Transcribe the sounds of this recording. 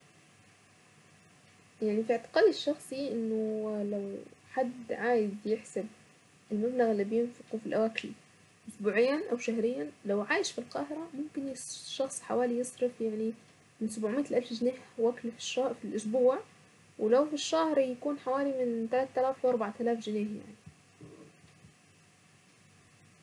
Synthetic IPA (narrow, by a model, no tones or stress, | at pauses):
jaʕnifiʔɪʕt̪ɪ̥qɑːd̪ɪʃːɑxsˤiʔɪnːʊlawħad̪ːʕaːjɪd̪jɪħsab | ʔɪlmablaɣɪlːibjɪnfɪqufilʔawaːkɪl | ʔʊsbuːʕɪjːanʔawʃahɾɪjːalawʕaːjɪʃfilqɑːhɪɾamʊmkɪnʃːɑxsˤħa̰waːlijɨsˤɾɪfjaʕni | mɪnsabuːʕmiːʔt̪lʔalfd͡ʒɪneːhwaklfi̥ʃfilʔʊsbuːʕ | wlawfiʃːahɾˤjakuːnħawaːlimɪnt̪alat̪ːalaːfwʔɑɾˤbaʕt̪alaːfʒɪneːhja̰ʕni